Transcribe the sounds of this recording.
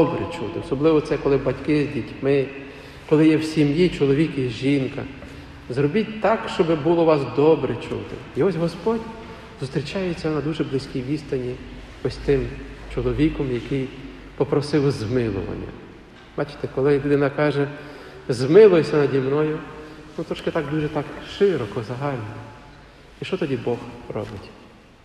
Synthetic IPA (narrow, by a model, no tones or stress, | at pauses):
ɔbɾɛ̰t͡ʃut̪ɪɔsɔblˠɪʋɔt̪sɛkɔlˠɪbɐtʲkɪzʲdʲitʲmɪ | kɔlˠɪjɛwsʲimjit͡ʃɔlˠɔʋʲikiʒinkɐ | zrɔbʲitʲt̪ɑkʃt͡ʃɔbɪbulˠɔʋɑsd̪ɔbɾɛt͡ʃṵt̪ɪ̰iɔsʲɦɔspɔdʲ | z̥ʊst̪ɾʲɪt͡ʃɑjet͡sʲːɐnɐd̪uʒɛblɪsʲkʲijʋʲist̪ɐnʲi | ɔsʲt̪ɪmt͡ʃɔlˠɔʋʲikɔmjɐkɪj | pɔpɾɔsɪwzmɪlˠʊ̰ʋɐ̰nʲːɐ̰ | b̥ɑt͡ʃɪ̥t̪ɛkɔlˠɪlʲud̪ɪnɐkɑʒɛ | zmɪlˠʊjsʲɐnɐdʲimnɔjʊnut̪ɾɔʃkɪt̪ɑkd̪uʒɛt̪ɑkʃɪɾɔkɔzɐɦɑlʲnɔɔ | iʃt͡ʃɔt̪ɔdʲibɔxrɔ̰bɪtʲ